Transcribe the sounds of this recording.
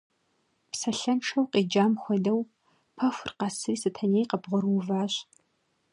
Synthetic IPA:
psɐɬɐnʈ͡ʂʰɐwqiːd͡ʒaːmxʷɔdɐw | pʰɐfʷʊrqɑsɨriːsɨtʰɐnejqɐbʁʷɔrwʊvaːɕ

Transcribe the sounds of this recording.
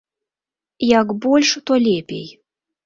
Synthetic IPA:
jɑkbolʲʃt̪olʲepʲḛj

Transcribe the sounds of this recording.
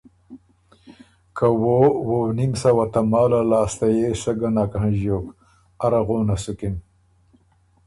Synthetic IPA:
kawowonimsɐwat̪amɑːlalaːst̪ajesɐɡanakaɦãʑoːk | aɾaɣoːnasukim

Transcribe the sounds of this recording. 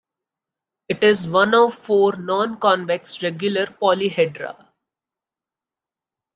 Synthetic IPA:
ɪʈɪzʋʌ̃nɔːʋfoːɾnɔ̃ːnkɔ̃ːnʋɛksɾɛɡjʊləɾpɔːliɦɛɖɾa̰

